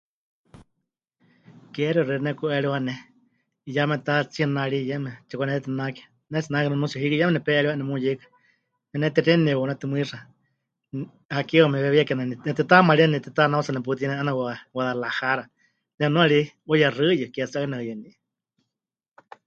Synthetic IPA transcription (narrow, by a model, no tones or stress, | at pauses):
kɛɾirɨɾinɛkuʔɛɺiwanɛ | jamɛt̪at͡siənaɺijɛmɛt͡ʃɛkʷanɛt̪ɛt̪ɨnakɛ̥ | nɛt͡sinakinanũsiaɦiɾijɛmɛnɛpɛʔɛɺiwaʔnɛmujekḁ | nɛnɛt̪ɛrɛnɛwɔnɛt̪ɨmʷiʂa | hakiɔmɛβɛβiakɛnanɛnɛt̪ɨt̪amaɺinɛt̪ɛt̪anausanɛp̬ut̪̬inɛʔanawawaðalahaɾa | nɛnũaɺi | ɔjarɨjɨkɛt͡sanɛɨjɨniʔ